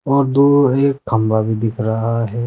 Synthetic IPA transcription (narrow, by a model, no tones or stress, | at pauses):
ɔːɾd̪uːɾeːkːɐmɾabʱid̪ɪkʰɾɐɦaɦɛː